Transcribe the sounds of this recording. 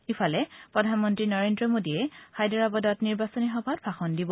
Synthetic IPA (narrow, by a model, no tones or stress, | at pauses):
ifʰalɛpɹɔdʱanmɔntɹinɔɹendɹɔmodiɛxajdɔɹabɔdɔtniɹbasɔnixɔbʱadbʰʱaxɔndibɔ